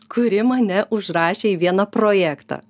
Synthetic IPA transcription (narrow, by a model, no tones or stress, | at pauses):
kʊɾʲɪmɐnʲɛʔʊʃɾɑːʃʲeːiʋʲiɛnɐpɾoːjæːkt̪ɑ̰ː